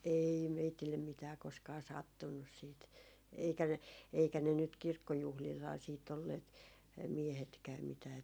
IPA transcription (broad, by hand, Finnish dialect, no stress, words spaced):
ei meitilːem mitæː koskɑː sɑtːunːus siːt eikæ ne eikæ ne nyt kirkːojuhlilhɑː siːt olːeːt miehetkæːm mitæː